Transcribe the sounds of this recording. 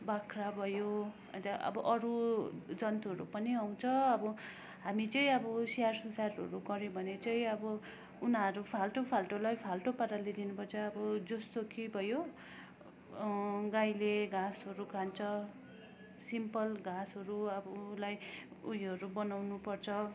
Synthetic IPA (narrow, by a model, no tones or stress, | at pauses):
bakʰrabʱʌjo | ʌ̰t̪aʔʌ̰bʌʔʌɾud͡zʌnt̪uɦʌɾṵpʌniaw̃t͡sʰʌʌbʌ | ɦamit͡sʌĩʌbʌsijarsʌnsarʌ̰ɾuɡʌɾjobʱʌnet͡sʌĩʌbʌ | unaɾupʰalʈopʰalʈolajpʰalʈopaɾaled̪inupʌt͡sʰʌʌbʌd͡zʌst̪okebʱʌjo | ɡajleɡasʌɾukʰant͡sʰʌ | simpʌlɡasʌɾuʌbʌlajujʌɾubʌnawnupʌrt͡sʰʌ